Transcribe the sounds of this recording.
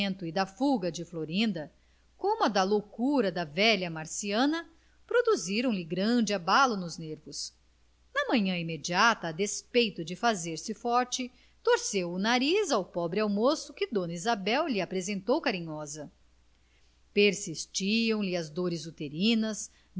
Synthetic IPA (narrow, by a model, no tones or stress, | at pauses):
nt̪ʊɪd̪ɐfuɡɐd͡ʒɪfloɾĩnd̪ɐ | kõmʊɐd̪ɐlowkuɾɐd̪ɐvɛʎɐmaɾsiɐ̃nɐ | pɾod̪uziɾɐ̃w̃lɪɡɾɐ̃d͡ʒɪabalʊnʊzneɾvʊs | nɐmɐ̃ɲɐ̃imed͡ʒiat̪ɐːd̪espejt̪ʊd͡ʒɪfazeɾsɪfɔɾt͡ʃɪ | t̪oɾsewʊnaɾizawpɔbɾɪawmosʊkɪd̪õnizabɛwlɪapɾezẽnt̪owkaɾĩɲɔzɐ | peɾsist͡ʃiɐ̃w̃lɪɐzd̪oɾɪzut̪eɾĩnɐs